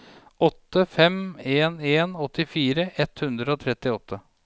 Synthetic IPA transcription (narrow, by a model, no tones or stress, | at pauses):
ʔɔt̪ːəfɛmeːneːnɔt̪ːɪfiːɾəʔɛt̪hʉnd̪ɾəoːt̪ʰɾɛt̪ːɪɔt̪ʰːə